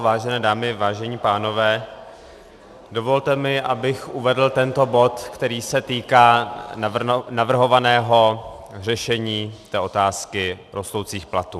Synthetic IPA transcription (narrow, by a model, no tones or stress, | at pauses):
vaːʒɛnɛːdaːmɪvaːʒɛɲiːpaːno̞vɛː | do̞vo̞lt̪ɛmɪʔabɪxʔuvɛdl̩t̪ɛnt̪o̞bo̞t̪kt̪ɛɾiːsɛt̪iːkaː | navr̩ɦo̞vanɛːɦo̞ | rɛʃɛɲiːt̪ɛːʔo̞t̪aːskɪ | ɾo̞st̪owt͡siːxplat̪uː